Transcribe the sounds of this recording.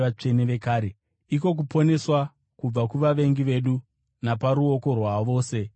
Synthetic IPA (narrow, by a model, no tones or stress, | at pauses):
at͡ʂe̞neʋe̞kaːɾe | iko̞k̬upo̞ne̞swa | kub͡vakuʋaʋe̞ŋɡiʋe̞ɗu | napaɾuoko̞rwaʋo̞ːse̞